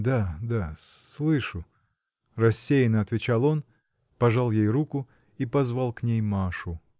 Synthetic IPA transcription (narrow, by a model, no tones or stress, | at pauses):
d̪ad̪asslˠɨʂʊ | rɐsʲːejɪnəɐt̪vʲɪt͡ɕalˠo̞n | pɐʐalˠjejrukʊ | ipɐzvalˠknʲejmaʂʊ